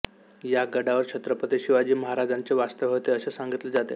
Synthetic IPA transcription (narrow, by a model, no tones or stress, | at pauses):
jaɡəɽaʋəɾkɕʰət̪ɾəpəd̪eɕiʋad͡ʑiːməɦaɾad͡zaɲt͡seʋast̪əʋɦot̪eəsesaŋɡit̪led͡zat̪ḛ